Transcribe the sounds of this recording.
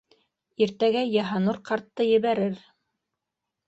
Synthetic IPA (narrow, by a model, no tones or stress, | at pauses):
iɾt̪æɡæjɑɦɑnoɾqɑɾt̪ːɤjɘ̆βæɾɘɾ